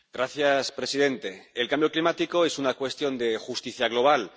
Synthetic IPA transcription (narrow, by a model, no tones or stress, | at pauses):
ɡ̥ɾaθjaspɾe̞siðẽ̞nt̪e̞elkambjo̞klimat̪iko̞e̞sunakwe̞st̪jo̞nd̪e̞xust̪iθjaɣ̞lo̞β̞al